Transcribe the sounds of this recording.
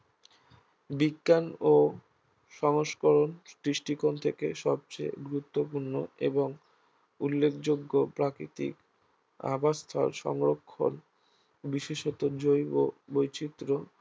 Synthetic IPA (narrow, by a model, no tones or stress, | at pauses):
biɡːano | ʃɔŋoʃkoɾonʈɾiʃʈikont̪ʰekeʃɔb̚t͡ɕḛjɡɾut̪ːopuɾnoeboŋ | ulːekʰd͡ʑoɡːopɾakɾit̪ḭk | a̰bast̪ʰa̰ɾʃɔ̰ŋɾokʰːo̰n | biʃeʃɔt̪od͡ʑojobojt͡ɕit̪ːɾo